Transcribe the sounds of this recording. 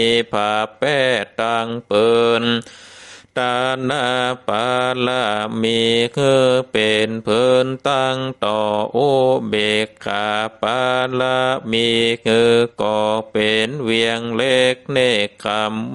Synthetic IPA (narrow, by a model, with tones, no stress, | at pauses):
pʰaː˨˧˩pɛː˧˩t̪a˧ŋpɤː˧n | t̪aː˧naː˧˩paː˧la˧miː˧kɯː˧˩pe˨˩npʰɤː˧˩nt̪a˧˥˩ŋt̪ɔː˧˩ʔoː˧˥˩beː˨˩kʰːaː˨˩paː˧la˧˥miː˧kɯː˧kɔː˧˩pe˨˩nwi˧əŋle˧˩k̚na˧˥˩jkʰa˧m